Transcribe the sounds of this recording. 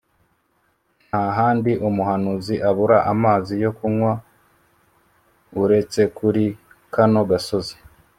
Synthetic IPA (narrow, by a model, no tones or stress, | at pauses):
n̥haɦaːndiʔumuhanuziʔaβuɾaʔamaːzijo̞kuŋwa | uɾe̞t͡se̞kuɾi | kano̞ɡaso̞zi̥